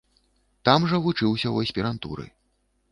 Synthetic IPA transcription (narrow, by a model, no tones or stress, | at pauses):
t̪amʐɐvut͡ʂɨwsʲɐwɐsʲpʲiɾant̪ṵɾɨ̰